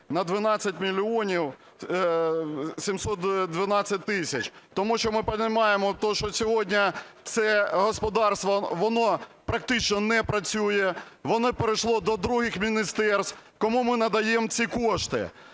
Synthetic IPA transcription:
nɐd̪ʋɪnɑt͡sʲːɐtʲmʲilʲiɔnʲiw | sʲimsɔt̪d̪ʋɪnɑt͡sʲːɐt̚ʲt̪ɪsʲɐt͡ʃt̪ɔmuʃt͡ʃɔmɪpɐnɪmɑjemɔt̪ɔʃt͡ʃɔsʲɔɦɔdʲnʲɐt̪sɛɦɔspɔd̪ɑrst̪ʋɔʋɔnɔpɾɐk̚t̪ɪt͡ʃnɔnɛpɾɐt͡sʲujɛʋɔnɔpeɾɪʃlˠɔd̪ɔd̪ɾuɦɪxmʲinʲɪst̪ɛrst̪kɔmumɪnɐd̪ɐjemt͡sʲikɔʃt̪ɪ̰

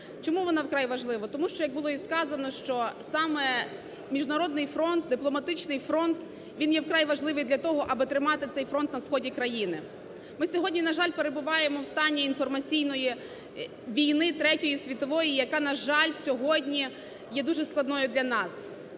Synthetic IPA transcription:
t͡ʃɔmuʋɔnɑwkɾɑjʋɐʒlˠɪʋɔt̪ɔmuʃt͡ʃɔjɐɡ̚bʊlˠɔiskɑzɐnɔʃt͡ʃɔsɑmɛ | mʲiʒnɐɾɔd̪̚nɪjfɾɔnt̪̚d̪ɪplˠɔmɐt̪ɪt͡ʃnɪjfɾɔnt̪ | ʋʲinjɛwkɾɑjʋɐʒlˠɪʋɪjd̪lʲɐt̪ɔɦɔʔɐbɪt̪ɾɪmɑt̪ɪt̪sɛjfɾɔnt̪nɐsxɔdʲikɾɐjinɪ | mɪsʲɔɦɔdʲnʲinɐʒɑlʲpeɾebʊʋɑjemɔwst̪ɑnʲːiinfɔrmɐt͡sʲijnɔji | ʋʲijnɪt̪ɾɛtʲɔjisʲʋʲit̪ɔʋɔjijɐkɑnɐʒɑlʲsʲɔɦɔdʲnʲi | jɛd̪uʒɛsklˠɐd̪nɔjʊd̪lʲɐnɑs

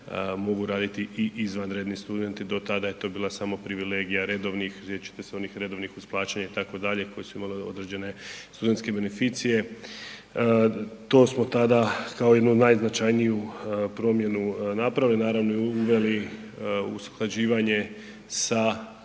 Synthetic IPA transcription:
mo̞ɡuɾaːd̪it̪iʔiʔizʋanɾeːd̪nist̪ud̪e̞nt̪id̪o̞t̪ad̪ajet̪o̞biːlˠasamo̞pɾiʋile̞ːɡijaɾe̞d̪o̞ʋnixset͡ʃi̥t̪eseo̞nixɾe̞d̪oʋnixuz̥plˠaːt͡ɕaɲait̪ako̞d̪aʎe̞ko̞jesuimaleod̪ɾed͡ʑe̞ne̞st̪ud̪e̞nt̪ske̞be̞ne̞fit̪sije̞ | t̪o̞ːsmo̞t̪ad̪akao̞je̞d̪nunajznat͡ʃajnijupɾo̞mje̞nunapɾaʋilinaːɾaʋnoiuʋe̞li | ṵsu̥xlˠad͡ʑiːʋaɲe̞ | sa

